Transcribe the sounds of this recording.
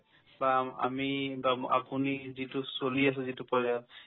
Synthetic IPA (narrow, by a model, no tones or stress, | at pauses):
baa̰mibaa̰punizitusolias̬ɛzitupɔɹat